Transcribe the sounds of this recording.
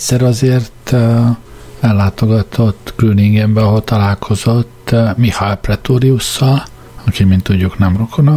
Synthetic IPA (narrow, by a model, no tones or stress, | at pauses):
ɛtsɛɾɒzeːrt̪ | ɛlːaːt̪o̞ɡɒt̪ʰo̞t̪ːɡ̥ryniŋɡɛmbɛɒɦo̞lt̪ɒlaːlkʰo̞zo̞t̪ːmihaɛprɛt̪oːɾiusːɒl | ɒkimint̪ːuɟːuknɛmrokʰonɒ